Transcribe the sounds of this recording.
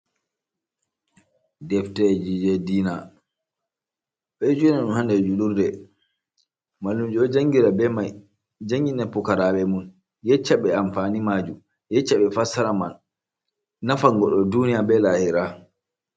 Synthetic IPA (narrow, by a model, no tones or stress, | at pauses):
dɛftɛd͡ʒid͡ʒɛdiːna | ɓɛd͡ʒunaɗunhandɛd͡ʒuɗuɾdɛ | malːumd͡ʒuɔd͡ʒaŋɡiɾaɛma | d͡ʒaŋɡinɛpːukaɾaɓɛmun | jɛt͡ʃːaɓɛamfanimad͡ʒum | jɛt͡ʃːaɓɛfasaɾamanː | afaŋɡɔɗɔdunijabɛlahiɾa